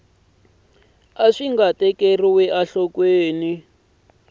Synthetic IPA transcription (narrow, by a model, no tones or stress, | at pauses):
aʂiŋɡatɛkeriwɛʔaɬɔkweːni